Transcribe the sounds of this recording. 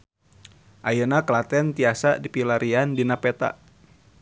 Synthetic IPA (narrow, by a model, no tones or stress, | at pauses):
ʔajənaklat̪ɛnt̪iasa̰dipilaɾiandinapɛt̪a̰